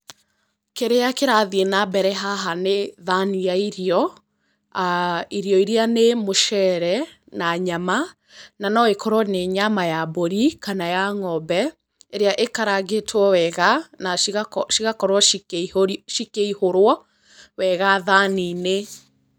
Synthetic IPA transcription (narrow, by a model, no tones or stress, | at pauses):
keɾeakeɾaðienabɛɾɛɦaɦaneðanijaiɾiɔ | iɾiɔiɾianemoʃɛɾɛ | naɲama | nanɔekɔɾwɔneɲamajaboɾikanajaŋɔbɛ | eɾeaʔekaɾaɣetʰwɔwɛɣanaʃiɣakɔɾwɔoʃikeihoɾwɔ | wɛɣaðanine